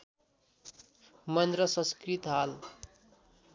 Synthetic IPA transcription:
mʌnd̪ɾʌsʌ̃skɾit̪ɦal

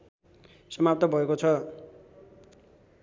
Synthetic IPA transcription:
sʌmap̚t̪ʌbʱʌekot͡sʰʌ

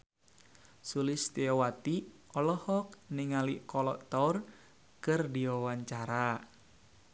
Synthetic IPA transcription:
sulɪst̪eɔwat̪iʔɔlɔhɔk̚niŋaliʔkɔlɔʔt̪ɔr | kərdiɔwaɲt͡ʃaɾa

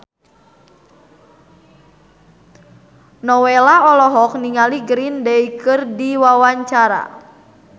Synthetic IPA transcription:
nɔwelaɔlɔɦɔk̚niŋaliɡɾindɛikɨrdiwawaɲt͡ʃaɾa̰

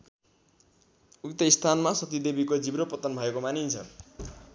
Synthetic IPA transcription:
ukt̪ʌist̪ʰanmasʌt̪id̪ebikod͡zibɾopʌt̪ʌnbʱʌekomanint͡sʰʌ̰

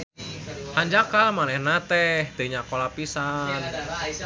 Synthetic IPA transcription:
haɲd͡ʒakalmanɛhnat̪ɛhd̪̥e̤iɲakolapisan

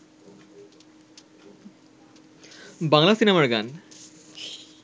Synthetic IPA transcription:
baŋlasinamaɾɡa̰n

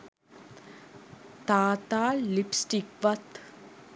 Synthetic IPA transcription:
t̪aːt̪aːlipsʈikʋɐt̪

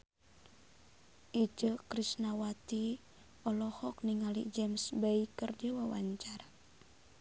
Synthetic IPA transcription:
ʔid͡ʒəkɾisnawat̪i | ɔlɔhɔk̚niŋalḭd͡ʒɛmsbeikərd͡ʒəwawa̰ɲt͡ʃaɾa

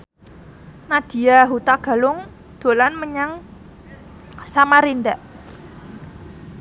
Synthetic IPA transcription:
nad̥i̤aɦut̪aɡ̥a̤lʊŋ | d̪̥o̤lanməɲaŋ | samaɾindaʔ

